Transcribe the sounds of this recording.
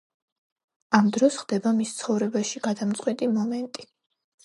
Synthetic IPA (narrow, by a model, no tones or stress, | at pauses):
amd̪ɾɔsχd̪ɛbamist̪sʰχɔvɾɛbaʃiɡad̪amt̪sʼqʼwit̪ʼimɔmɛnt̪ʼi̥